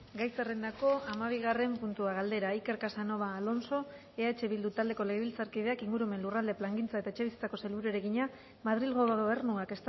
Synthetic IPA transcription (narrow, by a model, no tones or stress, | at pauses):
ɡajt͡serend̪ako̞amaβiɣ̞are̞mpunt̪uaɣ̞ald̪e̞ɾaike̞ɾkasano̞βaːlo̞nso̞ | eat͡ʃe̞βild̪ut̪ald̪e̞ko̞le̞ɣeβilt͡saɾkiðe̞akiŋɡuɾume̞nlurald̪e̞plaŋɡint͡sae̞t̪aet͡ʃe̞βisi̥t͡sako̞selβuɾoɾe̞ɣiɲa | maðɾilɣoβe̞rnuake̞st̪